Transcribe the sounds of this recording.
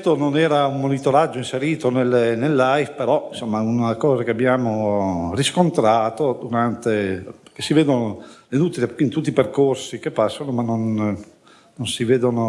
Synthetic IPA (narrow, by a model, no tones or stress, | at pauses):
t̪ːononɛːɾaummːonit̪oɾad͡ʒːoinseɾiːt̪onelnelːajfpeɾɔĩnsomːaunakɔːzakeabjaːmoriskont̪ɾaːt̪od̪uɾant̪epkesiveːd̪onoenut̪ːilkint̪ut̪ːiperkorsikepːasːonomanːonː | onsiveːd̪ono